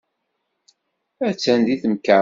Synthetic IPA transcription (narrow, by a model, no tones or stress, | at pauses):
æt͡sːænd̪iθmkːa